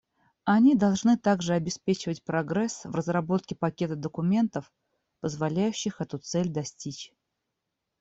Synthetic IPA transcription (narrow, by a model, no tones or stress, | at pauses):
ɐnʲid̪ɐlˠʐnɨt̪aɡʐɨɐbʲɪspʲet͡ɕɪvətʲpɾɐɡɾɛsvrəzrɐbo̞t̪̚kʲɪpɐkʲe̞t̪əd̪əkʊmʲe̞nt̪əf | pəzvɐlʲæjʉɕːɪxɛt̪ut̪sɛlʲd̪ɐsʲtʲit͡ɕ